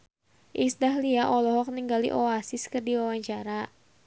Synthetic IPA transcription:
ʔisdaɦliaʔɔlɔɦɔk̚niŋɡalḭʔɔasiskɨrdiwawaɲt͡ʃaɾa

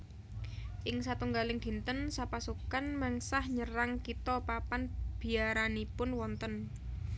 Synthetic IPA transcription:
ʔɪŋsat̪uŋɡalɪŋd̪̥i̤nt̪ənsapasukanmɛŋsahɲəraŋkit̪ɔpapanb̥i̤aɾanipʊnwɔnt̪ən

